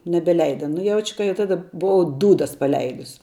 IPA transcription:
nʲɛbʲɛˈlʲɛɪdɐ nʊ ˈjɛʊt͡ʃʲ kɐ jɛʊ ˈtɑːdɐ bʊˈʋɐʊ ˈduːdɐs pɐˈlʲɛɪdʊs

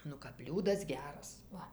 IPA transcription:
ˈnʊ kɐp ˈbʲlʲuːdɐs ˈɡʲæːrɐs ˈʋɐ

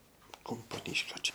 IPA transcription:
kʊmpoːˈnʲiːʃʲkʲoː ˈt͡ʃʲɛ

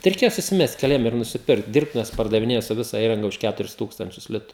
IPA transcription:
tɐɪ rʲɛɪˈkʲeːjɛ sʊsʲɪˈmʲɛst kʲɛˈlʲiɛm ɪr nʊsʲɪˈpʲɪrkt ˈdʲiːrptʊʋʲɛs pɐrdɐʋʲɪˈnʲeːjɛ sʊ ˈʋʲɪsɐ ˈiːrɐŋɡɐ ʊʃ ˈkʲætʊrʲɪs ˈtuːkstɐnʲt͡ʃʲʊs ˈlʲɪtʊ

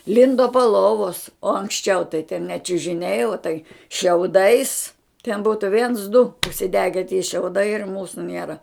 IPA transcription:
ˈlʲɪndoː poː ˈlˠoːʋoːs oː ɐŋksʲˈt͡ʃʲɛʊ tɐɪ tʲɛn nʲɛ t͡ʃʲʊʒʲɪˈnʲɛɪ oː tɐɪ ʃʲɛʊˈdɐɪs tʲɛn ˈbuːtʊ ʋʲiɛns dʊ ʊʃʲsʲɪˈdʲæːɡʲɛ tʲiɛ ʃʲɛʊˈdɐɪ ɪr ˈmuːsʊ ˈnʲiɛrɐ

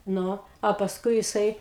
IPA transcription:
ˈnʊ ɐ pɐsˈkʊɪ jɪˈsɐɪ

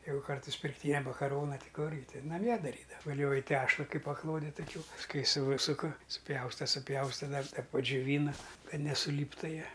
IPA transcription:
ˈjɛɪɡʊ ˈkɐrtɐɪs pʲɪrkˈtʲiːnʲɛ mɐkɐˈroːnɐ ˈtʲɪ ˈkʊrʲɡʲɪ ˈtʲɪn nɐˈmʲiɛ dɐˈrʲiːdɐ ʋɐˈlʲoːjɪ ˈtʲæːʃlˠɐ ˈkɐɪp pɐˈklˠoːdʲɛ tɐˈkʲuː pɐsˈkʊɪ ˈsuːsʊkɐ sʊˈpʲjɛʊstɐ sʊˈpʲjɛʊstɐ dɐr dɐ pɐd͡ʒʲʊˈʋʲiːnɐ ˈkɐt nʲɛsʊˈlʲiːptʊ ˈjiɛ

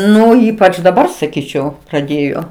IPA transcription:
ˈnʊ ˈiːpɐt͡ʃ dɐˈbɐr sɐˈkʲiːt͡ʃʲɛʊ prɐˈdʲeːjoː

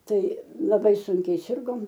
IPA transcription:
ˈtɐɪ lˠɐˈbɐɪ ˈsʊŋʲkʲɛɪ ˈsʲɪrɡoːm

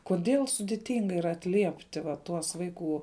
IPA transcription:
koːˈdʲeːlˠ sʊdʲɪˈtʲɪŋɡɐ iːˈrɐ ɐtʲˈlʲiɛpʲtʲɪ ʋɐ ˈtuɔs ˈʋɐɪˌkuː

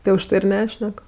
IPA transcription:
tɐɪ ʊʃˈtɐɪ ɪr ˈnʲæːʃʲnʲɛk

